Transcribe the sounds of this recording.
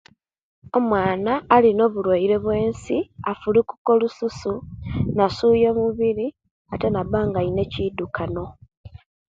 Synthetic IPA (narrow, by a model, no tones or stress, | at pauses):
o̞mwaːnaːlino̞βulwaiɾe̞βwe̞ːnsiafuliku̥ko̞lususunasuːje̞muβiɾi | ate̞naβaːŋɡaine̞cidukʰano̞